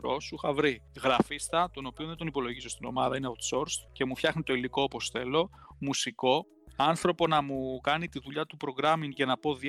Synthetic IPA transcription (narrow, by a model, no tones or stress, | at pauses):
ɾosuxɐvɾiɣɾɐfist̪ɐt̪o̞no̞pioðed̪onipo̞lo̞ʝiso̞st̪ino̞̰mɐðɐineot̪so̞ɾst̪ce̞mufçɐxnit̪o̞ilikoopo̞sθe̞lo̞ | musiko̞ | ɐnθɾo̞po̞nɐmukɐnit̪iðuʎɐt̪upɾo̞ɣɾɐmiŋcenɐpo̞ði